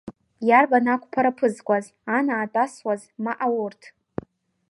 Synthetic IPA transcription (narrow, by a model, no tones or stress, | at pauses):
jarbanakʷʰʼpʰaɾapʰɨzkʷʼaz | anaːtʼaswazmaʔawʊrtʰ